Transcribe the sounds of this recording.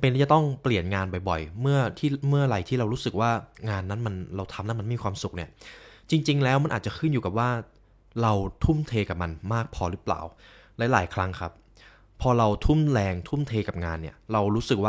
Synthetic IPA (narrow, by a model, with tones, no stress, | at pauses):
pe˧nʰiː˦˥˩t͡ɕa˨˩t̪ɔ˥˩ŋpli˨˩ənŋaː˧nbɔ˨˩jbɔ˨˩jmɯ˥˩ɐt̪ʰiː˥˩mɯ˥˩ɐɾa˧jt̪ʰiː˥˩ɾa˧wɾuː˦˥sɯ˨˩k̚waː˥˩ŋaː˧nːa˦˥nma˧nɾa˧wt̪ʰa˧mla˦˥m˧nm˥˩iː˧kʰwaː˧msu˨˩k̚ni˥˩ɐt͡ɕi˧ŋt͡ɕi˧ŋlɛː˦˥wma˧˥nʔːt̚t͡ɕa˨˩kʰɯ˥˩njuː˨˩ka˨˩waː˥˩ | ɾa˧wt̪ʰuː˥˩mt̪ʰeː˧ka˨˩p̚ma˧nmaː˥˩k̚pʰɔː˧ɾɯ˦˥pla̰ː˨˩w | lɛ˦˥laː˩˦jkʰɾa˦˥ŋkʰa˦˥pʰː | ɔː˧ɾa˧wt̪ʰu˥˩mlɛː˧ŋt̪ʰu˥˩mt̪ʰeː˧ka˨˩p̚ŋaː˧nːi˥˩ɐɾa˧wɾuː˦˥sɯ˨˩k̚waː˥˩